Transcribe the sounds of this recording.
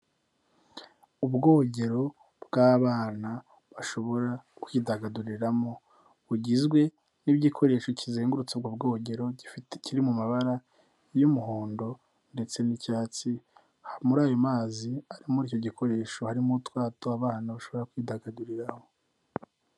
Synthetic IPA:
ubɡo̞ːɟe̞ɾo̞ | bɡaːβaːna | βaʃo̞βo̞ɾakwiːdaɡaduɾiɾamo̞ | βuɟizɡwe̞ | nibɟikʰo̞ɾe̞ːʃo̞cizeːŋɡuɾut͡seb̚ɡobɡo̞ɟe̞ɾo̞ɟifitciɾimumaβaɾa | jumuɦoːndo̞ | nde̞t͡se̞nicaːt͡si | hamuɾaːjomaːziaɾimuɾicoɟikʰo̞ɾe̞ːʃo̞haɾimutwaːtoaβaːnaβaʃo̞βo̞ɾakwiːdaɡaduɾiɾaho̞

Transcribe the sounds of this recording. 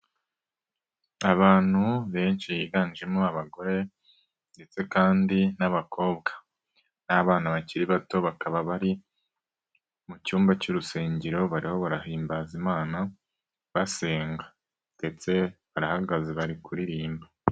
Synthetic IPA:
aβaːn̥huβe̞ːnʃijiɡaniʒemoaβaɡo̞ɾe̞ | nde̞t͡se̞kaːndinaβakʰo̞ːbɡḁ | naβaːnaβaciɾiβato̞βakaβaβaɾi | mucuːmbacuɾuseːɲɟiɾo̞βaɾiho̞βaɾahiːmbaːzimaːna | βase̞ːŋɡḁ | d̥e̞t͡se̞βaɾahaɡazeβaɾikuɾiɾiːmba

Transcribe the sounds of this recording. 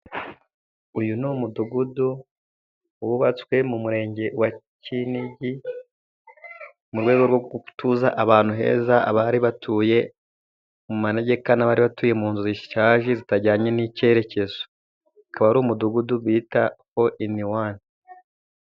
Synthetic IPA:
ujunuːmuduɡudu | wuβat͡skwe̞mumuɾe̞ːɲɟe̞waciniɟi | muɾɡwe̞ːɡo̞ɾɡoutuzaʔaβaːn̥huɦe̞̰ːzaa̰βaɾiβatʰuːje̞ | mumaneɟe̞kanaβaːɾiβatuːje̞muːnzuziʃʃaːʒizitaɟaːɲe̞nice̞ɾe̞ce̞zo | akaβaɾuːmuduɡuduβiːtaho̞ʔiniwaːni

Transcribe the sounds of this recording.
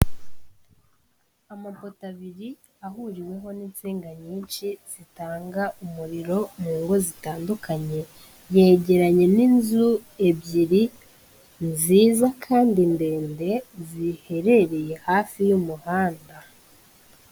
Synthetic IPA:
amapo̞taβiɾi | ahuɾiwe̞ɦo̞nint͡seːŋɡaɲiːnt͡ʃiz̥itaːŋɡaumuɾiɾo̞muːŋɡo̞zitaːndukaɲe̞ | jeɟe̞ɾaɲe̞ninzue̞bɟiɾi | nziːzakʰaːndinde̞ːnde̞zihe̞ɾe̞ɾe̞je̞haːfijumuhaːnda

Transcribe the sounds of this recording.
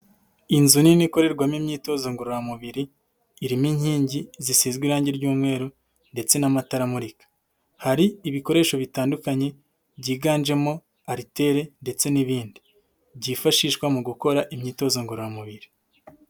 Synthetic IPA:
inzuniniko̞ɾe̞ɾɡwamimɲiːto̞zoŋɡuɾojamuβiɾiː | ɾimiɲhiːɲɟizisiːzɡwiɾaːɲɟeɾɟuːmŋe̞ːɾo | nde̞t͡se̞namataɾamuɾikḁ | haɾiiβiko̞ɾe̞ːʃo̞βitaːndukaɲe̞ | bɟiːɡaːnd͡ʒe̞mo̞ | aɾite̞ɾe̞nde̞t͡se̞niβiːndi | bɟiːfaʃiʃkwamuɡuko̞ɾaʔimɲiːto̞ːzoŋɡuɾojamuβiɾi

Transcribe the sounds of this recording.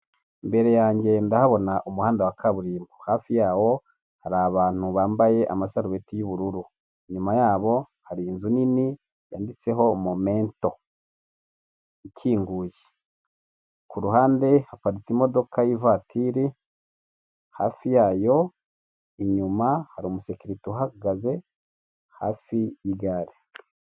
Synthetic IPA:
mbe̞ɾe̞jaːɲɟe̞ndahaβo̞naʔumuhaːndawakʰaβuɾiːmɡuhaːfijaːwo̞ | haɾaβaːn̥huβaːmbaje̞ʔa̰masaɾuβetijuβuɾuɾu | iɲumajaːβo̞ | haɾiːnzunini | jaːndit͡se̞ɦo̞momeːnto̞ | icʰiːŋɡuːje | kuɾuɦaːnde̞hapaɾit͡simo̞do̞kajivatʰiɾi | haːfijaːjo̞ | iɲumahaɾiumusekiɾituɦaɡaze̞ | ha̰ːfijiɡaɾi

